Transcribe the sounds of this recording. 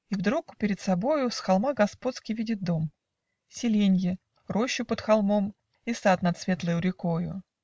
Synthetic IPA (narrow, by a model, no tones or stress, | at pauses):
ivd̪ɾukpʲɪɾʲɪt̪sɐbo̞jʊsxɐlˠmaɡɐspo̞t̪skʲɪjvʲidʲɪt̪̚d̪o̞m | sʲɪlʲenʲjɪ | ro̞ɕːʊpət̪xɐlˠmo̞m | isat̪nɐt̪svʲe̞t̪lˠəjʊɾʲɪkojʊ̰